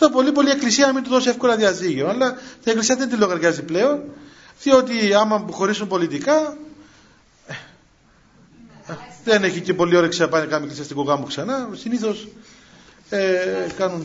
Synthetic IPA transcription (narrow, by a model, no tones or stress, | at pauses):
t̪opo̞lipo̞lie̞klisiɐnɐmind̪uðo̞sie̞fko̞lɐðiɐziʝeonɐlːɐt̪ine̞klisiɐðend̪ilːoɣɐɾʝɐziple̞o̞n | θio̞t̪̬iɐmːɐmpuxo̞ɾisumpo̞lit̪ikɐ | e | ðene̞çicepo̞lio̞ɾeksɐpɐnekɐmieklisiɐst̪ikuɣɐmuksɐnɐsiniθo̞s | ekɐnun